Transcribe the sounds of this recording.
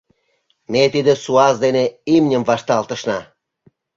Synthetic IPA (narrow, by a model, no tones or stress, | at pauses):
met̪id̪ĕsuɑzd̪eneimnʲə̆mvɑʃt̪ɑlt̪ə̆ʃnɑ